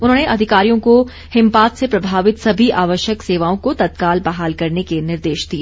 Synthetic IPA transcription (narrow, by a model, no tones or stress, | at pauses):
ʊnɦõːneʔɐd̪ʱɪkaːɾijõko | hɪ̃mpaːt̪sepɾɐbʱaːʋɪt̪sɐbʱiʔaːʋəʃjəkseːʋaːõkot̪ɐt̪̚kaːlbɐɦaːlkɐɾnekenɪɾd̪eːʃd̪iː